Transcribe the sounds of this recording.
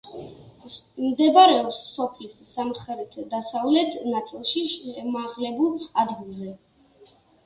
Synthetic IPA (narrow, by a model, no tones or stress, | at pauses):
md̪ɛbaɾɛɔpsːɔpʰlisːamt̪χɛɾit̪ʰd̪asavlɛt̪ʰnat̪sʼilˠʃiʃɛmaʁlɛbulˠad̪ɡilˠzɛ